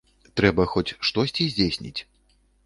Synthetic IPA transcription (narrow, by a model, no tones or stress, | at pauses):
t̪ɾɛbɐxɔt͡sʲʂt̪ɔsʲt͡sʲizʲd͡zʲesʲnʲḭt͡sʲ